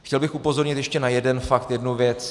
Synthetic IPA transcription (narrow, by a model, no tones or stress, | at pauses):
xcɛlbɪxʔupo̞zo̞ɾɲɪt̪jɛʃcɛnajɛdɛnfakt̪jɛdnuvjɛt͡s